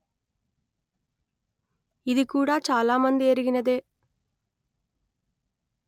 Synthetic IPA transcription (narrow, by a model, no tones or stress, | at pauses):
id̪ikuːɽaːt͡ʃaːlaːmɐnd̪ieɾiɡinɐd̪e̞ː